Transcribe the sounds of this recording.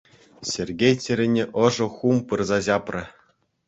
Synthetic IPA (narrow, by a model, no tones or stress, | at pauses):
sʲerʲɡʲejtʲɘ̆ɾʲɘ̆nʲĕʔɤ̆ʐɤ̆xumpɯrzɑʑɑprʲɘ̆